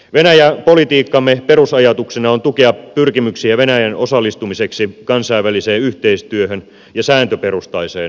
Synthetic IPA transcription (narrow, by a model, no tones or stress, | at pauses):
ʋenæjæpo̞lit̪iːkːɑmːepe̞rusɑjɑt̪uksenɑont̪ukeɑpːyrkimyksiæʋenæjæno̞sɑlːˑist̪umise̞ksikɑnsɑiʋæliseːyht̪eist̪yøhøn | jɑsæːnt̪øpeɾust̪ɑiseːn